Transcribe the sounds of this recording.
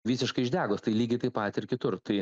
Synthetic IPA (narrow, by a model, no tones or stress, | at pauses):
ʋʲiːsʲɪʃkɐɪʒʲd̪ʲæːɡoːst̪ɐɪlʲiːɡʲɐɪt̪ɐɪpɐt̪ʲɪɾkʲɪt̪ʊrt̪ɐɪ